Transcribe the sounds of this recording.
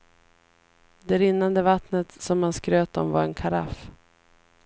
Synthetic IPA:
d̪ɛɾɪnːand̪əvat̪nət̪sɔmːanskɾøːt̪ɔmvaɾɛnkʰaɾa̰f

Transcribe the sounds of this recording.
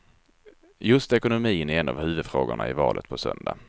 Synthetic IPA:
jɵst̪ɛkʊnʊmiːnɛɛnːavhʉ̟ːvɵd̪fɾoːɡʊɳaɪvɑːlʔət̪̚pʰɔsœnd̪a

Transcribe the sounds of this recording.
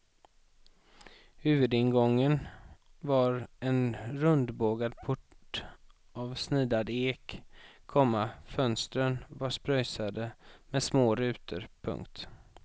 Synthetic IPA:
hʉ̟ːvɵd̪ɪnɡɔŋːənvaɾɛnɾɵnd̪boːɡad̪̚pʰʊʈ | avsniːd̪ad̪eːkʰː | ɔmːafœnst̪ɾənvaʂpɾœjsad̪əmɛsmoːɾʉ̟ːt̪ʰə̰ɾpʰɵ̰ŋk̚t̪

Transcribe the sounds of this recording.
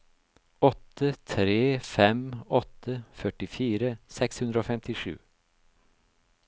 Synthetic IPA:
ɔt̪ʰːət̪ʰɾeːfɛmɔt̪ʰːəfœʈɪfiːɾəsɛkshʉnɾəoːfɛmt̪ɪʂʉ̰ː

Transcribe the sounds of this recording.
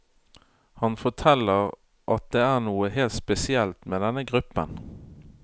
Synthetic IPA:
hɑnfɔʈ̪ʰɛlːəʁ | ʔɑt̪̚d̪eːæːʁnuːəheːlt̪spɛsɪɛlt̪meːd̪ɛnəɡʁʉpːə̰n

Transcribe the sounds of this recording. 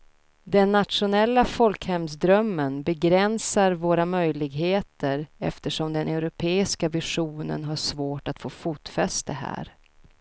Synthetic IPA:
d̪ɛnːat̪ʂʊnɛlːafɔlkhɛmsd̪ɾœmːənbɛɡɾɛnsaɾvoːɾamœjlɪɡɦeːt̪əɾɛ̰ft̪əʂɔmd̪ɛnʔɛʊɾʊpʰeːɪskavɪʂuːnə̰nɦaʂvoːʈat̪foːfuːt̪fɛst̪əɦæ̰ːɾ

